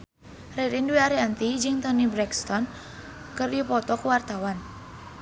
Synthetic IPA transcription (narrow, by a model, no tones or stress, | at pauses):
reɾinduiaɾeant̪id͡ʒɪŋt̪ənibɾɛkst̪ɔn | kərjupɔt̪ɔkuwart̪awan